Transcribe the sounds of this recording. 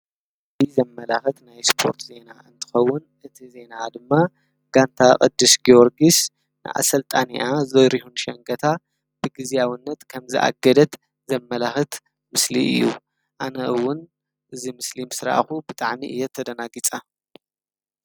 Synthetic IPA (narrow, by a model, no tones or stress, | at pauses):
zizɐmːɐlaxɨt̪najspʰo̞ɾt̪ʰze̞naʔɨnt̪ʰɨ̥xɐwːʊnʔɨt̪ʰize̞nad̪ɨmːa | ɡ̥ant̪ʰakʼɐ̰d̪ːɨsɡioɾɡis | nɨ̰ʔa̰sɐlt̪ʼaniʔazɐɾihunʃɐŋɡɐt̪ʰa | b̥ɨɡɨzijawinːɐt̪kʰɐmzɨʔa̰ɡɐd̪ɐt̪ | zɐmːɐlaxɨt̪ | mɨslḭʔɨ̰jːṵ | ʔanɐʔɨwːʊn | ʔɨzimɨslimsɨɾa̰ʔxubɨt̪ʼaʕmiʔɨ̰jːɛt̪ʰːɐd̪ɐnaɡit͡sʼa